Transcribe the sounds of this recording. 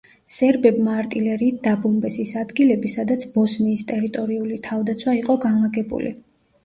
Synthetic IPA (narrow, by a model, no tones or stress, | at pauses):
sɛɾbɛbmaːɾt̪ʼilɛɾiːt̪̚d̪abɔmbɛsisad̪ɡilɛbisad̪at̪sʰb̥ɔsniːst̪ʼɛɾit̪ʼɔɾiulit̪ʰavd̪at̪sʰwaiqʼɔɡanlaɡɛbṵlḭ